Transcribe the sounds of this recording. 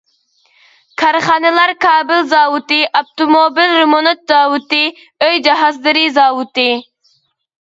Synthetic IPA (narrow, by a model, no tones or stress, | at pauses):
kʰɑɾχɑːnɨlˠɑɾkʰɑːbɨlzɑːwut̪ɨʔɑp̚t̪omobilɾemonot̪̚zɑːwut̪ɨ | øjd͡ʒiɦɑzlˠɨɾizɑːwut̪ɨ